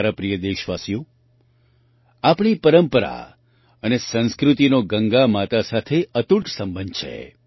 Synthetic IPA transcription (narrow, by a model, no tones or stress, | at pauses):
ɾapɾijəd̪eʃʋasjõ | apɳ̃ipəɾəmpəɾa̰ | ənesə̃nskɾut̪inoɡəŋɡamat̪asat̪ʰeət̪uʈsə̃mbənd̪̚t͡ʃʰḛ